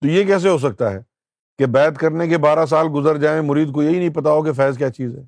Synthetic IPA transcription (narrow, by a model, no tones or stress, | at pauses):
t̪ojekɛːs̬eɦos̬ɐk̚t̪aɦɛː | kebɛːt̪kɐɾnekebaːɾas̬aːlɡʊzəɾd͡ʒaːẽmʊɾiːd̪̚kojeɦinɐ̃ɦĩpɐt̪aokefɛːzkjaːt͡ʃiːzɦɛː